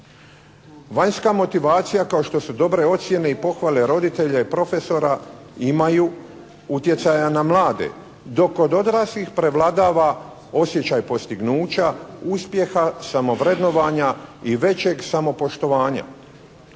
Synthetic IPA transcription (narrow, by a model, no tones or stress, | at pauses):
ʋaɲskamo̞t̪iʋaːt̪sijakaoʃt̪o̞sud̪o̞bɾe̞o̞t̪sje̞ne̞ipo̞xʋale̞ɾo̞d̪it̪e̞ʎaipɾo̞fe̞so̞ɾa | imaju | ut̪je̞t̪sajanamlˠaːd̪e̞̰ | d̪o̞ko̞d̪o̞d̪ɾaslixpɾe̞ʋlˠad̪aːʋa | o̞sje̞t͡ɕajpo̞st̪iɡnuːt͡ɕauspje̞xasamo̞ʋɾe̞d̪no̞ʋaɲaiʋe̞t͡ɕe̞ɡsamo̞po̞ʃt̪o̞ʋaːɲa̰